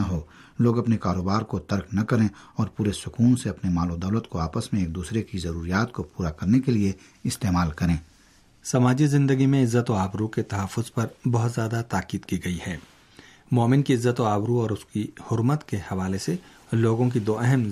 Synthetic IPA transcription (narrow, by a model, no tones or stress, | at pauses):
ɐɦoː | loːɡɐpnekaːɾoːbaːɾkot̪ɐɾknɐkɐɾẽɔːɾpuːɾesʊkuːnseɐpnemaːlod̪ɐːʊlət̪koaːpəsmẽeːk̚d̪uːsɾekizɐɾuːɾijaːt̪kopuːɾakɐɾnekelie | ɪst̪eːmaːlkɐɾẽː | sɐmaːd͡ʒizɪ̃nd̪əɡimẽɪzːət̪oaːbɾuket̪ɐɦəfːʊzpɐɾbɐɦʊt̪zjaːd̪at̪aːkiːd̪kiɡɐihɛː | mɔːmɪnkiɪzːət̪oaːbɾuɔːɾʊskihʊɾmət̪kehɐʋaːlese | loːɡõk̬id̪oːɛɦɛm